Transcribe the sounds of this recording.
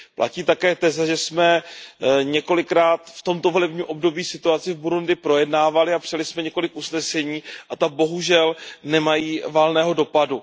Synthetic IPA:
plʔa̰ciːt̪akɛːt̪ɛzaʒɛsmɛ | ɲɛko̞lɪkɾaːt̪ft̪omt̪o̞volɛbɲiːmʔo̞bdo̞biːsɪt̪uat͡sɪvbuɾundɪpɾo̞jɛdnaːvalɪapr̝̥ɪjalɪsmɛɲɛko̞lɪkʔusnɛsɛɲiːʔat̪abo̞ɦuʒɛlnɛmajiːvalnɛːɦo̞do̞padu

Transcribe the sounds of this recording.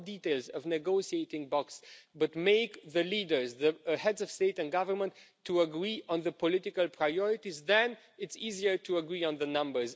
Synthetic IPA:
diteɪlˠzʌvnɨɡoʊsieɪtɪ̃ŋbɔksbʌtmeɪkðəlidə˞zðəhɛdzʌv̥steɪtɨ̃nɡʌvə˞mə̃ntʰː | uəɡɹiʔə̃nðəpɔlɪtɪkəlˠpʰɹaɪɔɹɪtizðɛ̃n | ɨtsiziə˞tʰuəɡɹiə̃nðənʌ̃mbə˞z

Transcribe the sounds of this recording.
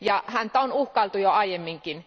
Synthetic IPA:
jɑhænt̪æonuhkɑlt̪ujoɑijemːiŋkin

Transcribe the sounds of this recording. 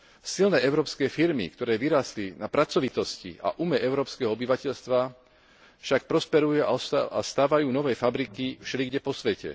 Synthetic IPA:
silnɛːɛʊɾɔːpskɛːfiɾmḭkt̪ɔɾɛːʋiɾaːslinapɾat͡sɔʋit̪ɔscḭa̰ʔumɛʔɛʊɾɔːpskɛɦɔɔbiʋacɛʎst̪ʋa | fʃak̚pɾɔspɛɾujua̰ɔast̪aːʋajuːnɔʋɛːfabɾikifʃɛliɡɟɛpɔsʋɛcɛ̰

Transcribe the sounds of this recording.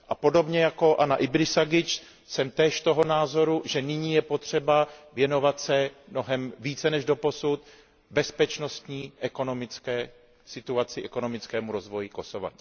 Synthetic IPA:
ʔapo̞do̞bɲɛjako̞ʔanaʔɪbɾɪsaɡɪt͡ʃ | sɛmt̪ɛːʃt̪o̞ɦo̞naːzo̞ɾuʒɛnɪɲiːjɛpo̞t̪r̝̥ɛbavjɛno̞vat̪sɛmno̞ɦɛmviːt͡sɛnɛʒdo̞po̞sut̪ | bɛspɛt͡ʃno̞st̪ɲiːʔɛko̞no̞mɪt͡skɛː | sɪt̪uat͡sɪʔɛko̞no̞mɪt͡skɛːmuɾo̞zvo̞jɪko̞so̞va̰

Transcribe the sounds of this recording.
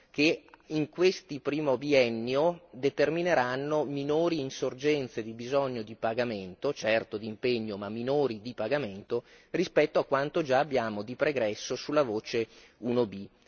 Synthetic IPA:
keiŋkwest̪ipɾiːmobiɛnːjod̪et̪ermineɾanːominoːɾiːnsord͡ʒɛnt̪sed̪ibizɔɲːod̪ipaɡament̪ot͡ʃɛrt̪od̪iːmpeɲːomamːinoːɾid̪ipaɡament̪o | rispɛt̪ːoakːwant̪od͡ʒaːbːjaːmod̪ipɾeɡɾɛsːosulːavoːt͡ʃe | unobi

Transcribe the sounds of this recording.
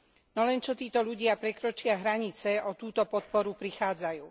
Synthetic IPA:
nɔlɛnt͡ʃɔt̪iːt̪ɔʎuɟɪapɾɛkɾɔt͡ʃɪaɦɾaɲit͡sɛɔt̪uːt̪ɔpɔt̪̚pɔɾupɾixaːd͡zajuː

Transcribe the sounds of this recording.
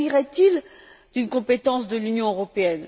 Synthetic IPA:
iʁɛt̪il | d̪̥ynkɔ̃pet̪ɑ̃sd̪əlynjɔ̃øʁɔpeɛn

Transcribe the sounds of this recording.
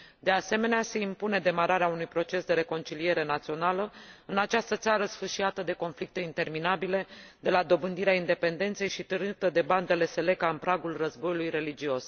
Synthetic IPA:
d̪e̞ase̞me̞nease̞impune̞d̪e̞maɾaɾeaunujpɾo̞t͡ʃe̞sd̪e̞ɾe̞ko̞nt͡ʃilie̞ɾe̞nat̪sio̞naləɨnat͡ʃast̪ət̪saɾəsfɨʃiat̪əd̪e̞ko̞nflik̚t̪e̞int̪e̞rminabile̞d̪e̞lad̪o̞bɨnd̪iɾeaind̪e̞pe̞nd̪e̞nt̪se̞jʃit̪ɨrnit̪əd̪e̞band̪ele̞se̞le̞kaɨnpɾaɡulrəzbo̞julujre̞lid͡ʒios

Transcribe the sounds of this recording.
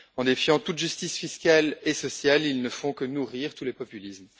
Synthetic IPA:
ɑ̃d̪efjɑ̃t̪ut̪ʒyst̪isfiskʲalesɔsjalilnəfɔ̃kənuʁiʁt̪ulepɔpylism

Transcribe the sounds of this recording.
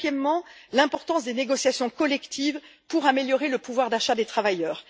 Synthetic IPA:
jɛmːɑ̃lɛ̃pɔʁt̪ɑ̃sd̪eneɡɔsjasjɔ̃kɔlɛkt̪ʰivpuʁameljɔʁeləpuvwaʁd̪aʃad̪et̪χavajœːʁ

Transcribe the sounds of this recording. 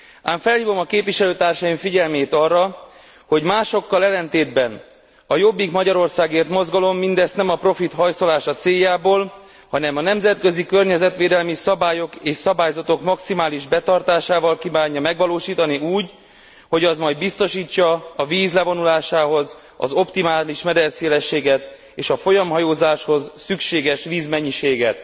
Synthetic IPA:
aːɱfɛlhiːvo̞mɒkeːpviʃɛløːt̪aːrʃɒiɱfiɟɛlmeːt̪ɒrːɒ | ho̞ɟmaːʃo̞kːɒlɛlːɛnt̪eːd̪bɛn | ɒjo̞bːikmɒɟɒɾo̞rsaːɡeːrt̪mo̞zɡɒlo̞mːind̪ɛst̪nɛmɒpro̞fit̪hɒjso̞laːʃɒt̪seːjːaːboːl | hɒnɛmɒnɛmzɛt̪kø̞zikø̞rɲɛzɛt̪ʋeːd̪ɛlmisɒbaːjo̞keːʃsɒbaːjzɒt̪o̞kmɒksimaːliʒbɛt̪ɒrt̪aːʃaːvɒlkiːvaːɲːɒmɛɡʋɒloːʃiːt̪ɒniuːɟ | ho̞ɟɒzmɒjd̪bist̪o̞ʃiːt͡ʃːɒːviːzlɛvo̞nulaːʃaːɦo̞z | ɒ̰zo̞pt̪imaːliʃmɛd̪ɛrseːlɛʃːeːɡɛt̪ | eːʃɒfo̞jɒmɦɒjoːzaːʃho̞zːykʃeːɡɛʃʋiːzmɛɲːiʃeːɡɛt̪

